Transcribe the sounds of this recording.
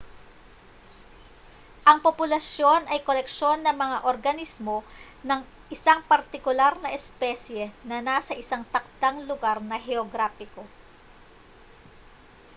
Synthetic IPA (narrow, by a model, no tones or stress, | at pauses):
ʔɐŋpopʊlɐsjo̞nʔɐjkolɛkʃo̞nːɐŋmɐŋaʔoɾɡɐnismo̞ | nɐŋ | ʔɪsaŋpɐɾt̪ɪkʊlaɾnɐʔɛspɛsjɛnɐnasɐʔɪsaŋt̪ɐk̚d̪aŋlʊɡaɾnɐɦɛoɡɾafɪko̞